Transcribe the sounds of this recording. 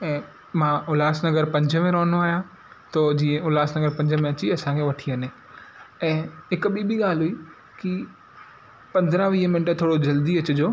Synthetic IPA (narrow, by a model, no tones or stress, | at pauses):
ɛ̃ː | mãːʊlaːsnɐɡəɾpɐ̃ɲd͡ʑʱə̆mẽɾoːnoaːɦijã | t̪od͡ʑiːə̃ʊlaːsnɐɡəɾpɐ̃ɲd͡ʑʱəmẽɐt͡ɕiɐsãkʰeʋɐʈʰiɐne | ɛ̃ːɦɪkɓiɓiɠaːlɦʊi | ki | pɐ̃nd̪ɾaʋiːɦəmɪnʈt̪ʰoːɽod͡ʑɐld̪iɐt͡ɕʊd͡ʑoː